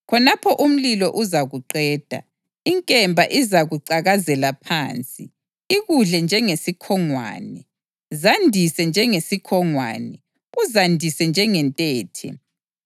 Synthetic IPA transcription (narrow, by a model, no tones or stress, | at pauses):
kʰɔnapʰɔʔum̩lilɔʔuzaɣuǃɛːd̥ʱa̰ | iŋkʼɛmbʱaʔizaɣuǀaɣazɛlapʰa̰ːnt͡sʼi | iɣuɮɛnd͡ʒʱɛŋesikʰɔŋwa̰ːnɛ | zandʱisɛnd͡ʒʱɛŋesikʰɔŋwa̰ːnɛ | uzandʱisɛnd͡ʒʱɛŋɛntʼɛːtʰɛ̰